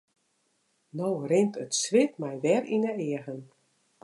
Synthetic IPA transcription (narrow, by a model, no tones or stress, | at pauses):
nowrɪntətsʋɪtmɛjʋɛrinəɪəɣən